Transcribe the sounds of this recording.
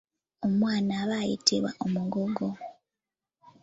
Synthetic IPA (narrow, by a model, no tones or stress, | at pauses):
omwaːnaβajḭtʰiβwa̰ʔomuŋɡoɡo